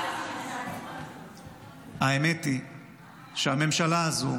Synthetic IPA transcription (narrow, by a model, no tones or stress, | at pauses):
haemeti | ʃeame̞mʃalaːzu